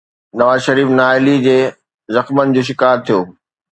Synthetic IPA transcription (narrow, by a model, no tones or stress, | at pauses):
nɐʋaːzʃɐɾiːfnaːɪlid͡ʑeː | zɐxmənɪ̆d͡ʑoːʃ̬ɪkaːɾt̪ʰijoː